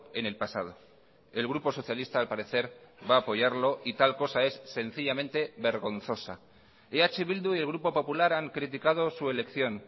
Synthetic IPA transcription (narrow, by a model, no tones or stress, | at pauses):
e̞ne̞lpasa̰ð̞o̞ | e̞lɣɾupo̞so̞θjalist̪aːlpaɾe̞θe̞ɾβaːpo̞ʝaɾlo̞ʔit̪alko̞sae̞sːe̞n̟θiʎamẽ̞nt̪e̞βe̞ɾɣo̞nθo̞sa | eat͡ʃeβild̪uie̞lɣ̞ɾupo̞po̞pulaɾaŋkɾit̪̬ikað̞o̞sue̞le̞kθjo̞n